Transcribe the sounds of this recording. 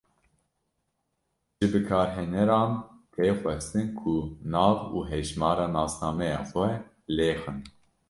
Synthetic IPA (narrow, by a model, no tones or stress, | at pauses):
ʒɨbɨkʰɑːɾɦɛnɛɾɑːnpʰeːxʷɛst̪ɨnkʰunɑːvuːɦɛʒmɑːɾɑːnɑːsnɑːmɛjɑ̰ːxʷɛ | leːxɨn